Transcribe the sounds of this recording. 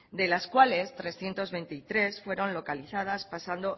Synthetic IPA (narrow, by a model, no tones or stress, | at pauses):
d̪e̞laskwale̞st̪ɾe̞sθje̞nt̪o̞zβe̞nt̪it̪ɾe̞sfwe̞ɾo̞nlo̞kaliθað̞aspasand̪o